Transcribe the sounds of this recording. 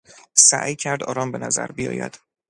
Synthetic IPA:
sæ̰ʔjcʰæɾd̪ɒ̰ːɾɒːmbe̞næzæ̰ɾbijɒ̰ːjæ̰d̪̥

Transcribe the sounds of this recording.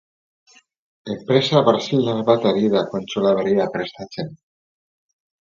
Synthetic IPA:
ekpɾesaβaɾsild̪azβat̪aɾiðakont͡ʃulaβeɾiapɾest̪at͡ʃen

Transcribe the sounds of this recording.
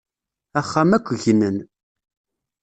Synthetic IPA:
æχːæmækʷːəʝnən

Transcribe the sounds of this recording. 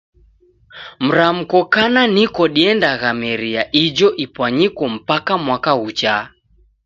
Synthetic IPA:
m̩ɾam̩kɔkananikɔɗiɛndaɣamɛɾiaʔid͡ʒɔʔipwaɲikɔm̩pakamwakaut͡ʃa

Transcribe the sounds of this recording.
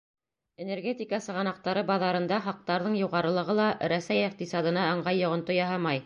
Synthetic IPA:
enerɡʲet̪ʲikɑsɤ̆ʁɑnɑq̚t̪ɑɾɤbɑðɑɾɤ̆nd̪ɑχɑq̚t̪ɑɾðɤɴjuʁɑɾɤ̆lˠɤ̆ʁɤlˠɑɾæsæjiq̚t̪isɑd̪ɤ̆nɑːɴʁɑjːŏʁɤ̆nt̪ojɑɦɑmɑj

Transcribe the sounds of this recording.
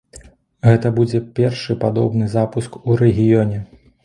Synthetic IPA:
ɣɛt̪ɐbud͡zʲɛpʲɛrʂɨpad̪ɔ̰bn̪ɨzapuskuɾɛɣʲijɔnʲɛ

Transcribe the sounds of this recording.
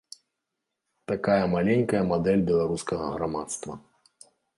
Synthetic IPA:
t̪akajɐmalʲɛnʲkɐjɐmad̪ɛlʲbʲɛlˠaɾuskɐɣɐ̰ɣɾama̰t̪st̪vɐ̰

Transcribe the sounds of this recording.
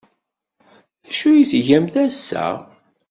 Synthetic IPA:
θæʃujisʝæmθæsːæ̰

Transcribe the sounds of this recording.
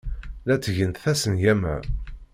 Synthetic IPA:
læt͡sːʝənt̪θæsənʝæmæ̰

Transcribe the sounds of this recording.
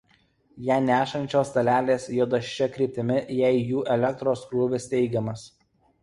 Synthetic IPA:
jæːnʲæːʃɐnʲt͡ʃʲoːst̪ɐlʲæːlʲeːsjoːd̪ɐʃʲt͡ʃʲɛkɾʲiːp̚ʲt̪ʲɪmʲɪjɛɪjuːʔɛlʲɛk̚t̪ɾoːskɾuːʋʲɪst̪ʲɛɪɡʲɛmɐs

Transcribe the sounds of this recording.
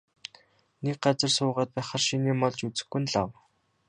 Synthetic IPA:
nek̚ɢat͡sə̆rsʊːʁaːt̪̚pæːχărʃiniːmɔɮt͡ɕut͡sɘ̆xɡŭnɮaw

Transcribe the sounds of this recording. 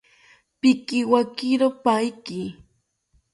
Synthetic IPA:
pɪkɪwakɪɾopajkɪ

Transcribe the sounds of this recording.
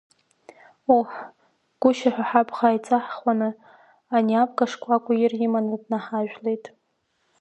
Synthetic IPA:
uħ | ɡ̥ʷʊʃaħʷᶣaħapʰχajt͡sʼaħχwanɨ | aniapʼɡaʂkʷʼakʷʼajɪrɪmanɨdnaħaʒᶣle̞jtʼ

